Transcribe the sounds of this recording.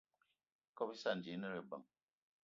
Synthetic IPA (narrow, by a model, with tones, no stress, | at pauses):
kɔ˦pi˦sa˦˨n̩˨d͡ʒi˨˦nə˦ɾe˨bə̰˨ŋ